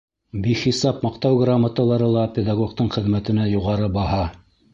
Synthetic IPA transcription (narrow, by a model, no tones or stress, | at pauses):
biχisɑpmɑqt̪ɑwɡramət̪ɤ̆lˠɑɾɤlˠɑpʲed̪aɡokt̪ɤɴχɘ̆ðmæt̪ɘ̆næjuʁɑɾɤbɑhɑ